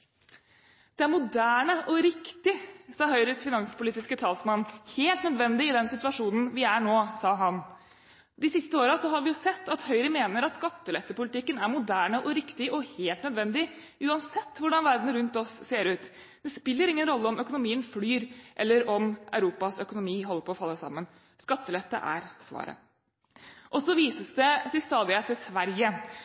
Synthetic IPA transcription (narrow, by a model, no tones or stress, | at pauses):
d̪̥ɛæɾmʊd̪æːɳəʔɔɾɪkt̪ɪsɑːɦœʏɾəsfɪnɑnspʊliːt̪ɪskət̪ʰɑːlsmɑnːheːlt̪nœd̪ʋɛnd̪ɪɪd̪ɛnsɪt̪ʋɑʂuːnn̩ʋɪæɳoːsɑːɦɑn | d̪ɪsɪst̪əoːɾɑsɔɦɑɾʋɪjʊsɛt̪ːɑt̪hœʏɾəmeːnəɾɑt̪skɑt̪ːəlɛft̪əpʊlɪt̪ɪkːənæɾmʊd̪æːɳəʔɔɾɪkt̪ɪʔɔheːlt̪nœd̪ʋɛnd̪ɪʔʉːɑnsɛt̪ːʋʊɖɑnʋæɾd̪n̩ɾʉnt̪ɔsːeːɾʉːt̪ | d̪̥ɛspɪlːəɾɪŋːənɾɔlːəɔmʔœkʊnʊmiːənsflyːɾʔɛlːəɾɔmʔæ̰ʉɾuːpɑsœkʊnʊmiːɦɔlːəɾpʰɔːfɑlːəsɑ̰mːən | skɑt̪ːəlɛt̪ːə̰ʔæ̰ɾsʋɑ̰ːɾə̰ | ʔɔsɔʋiːsəsd̪ɛt̪ɪlst̪ɑːd̪ɪət̪ːɪlsʋæɾjə